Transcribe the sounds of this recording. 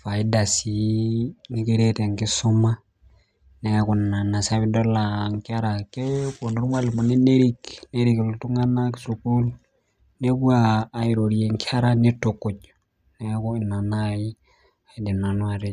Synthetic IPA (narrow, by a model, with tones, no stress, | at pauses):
fa˨i˦da˨si˨ni˦ke˦ɾe˦te˨ŋki˦su˦ma˦ | ne˦ku˨n˨na˨na˨sa˦βi˦do˦la˨ŋka˦ɾa˨ke˦ko˨n˨ɾu˦ma˦li˨mu˨ni˦ne˦ɾi˦kne˦ɾi˨klu˨tu˦ŋa˦na˦ksu˨ku˦l | ne˦ku˦aː˨i˨ɾo˨ɾi˨e˨ŋkʰʲa˦ɾa˦ni˦to˨ko˨t͡ʃ | ne˦ku˦i˨na˨na˦ji˦ | a˨i˨di˨na˨nu˦a˨ɾe˦